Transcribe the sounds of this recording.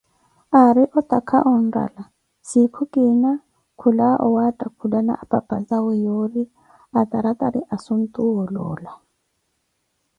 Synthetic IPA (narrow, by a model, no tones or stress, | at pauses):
aɾiʔɔt̪ʼakʰaʔɔn̩ra̰la | sikʰukʼina | kʰulaʔɔ̰watʼakʰudana̰ʔapʼapʼazawɔjoɾi | at̪ʼaɾat̪ʼaɾiʔasun̩t̪ʼuɔlɔ̰ːla